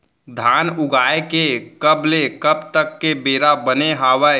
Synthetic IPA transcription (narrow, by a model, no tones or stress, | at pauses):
d̪ʱaːnʊɡʱaːekekəblekəbt̪əkːebeːɾabəneɦaːʋə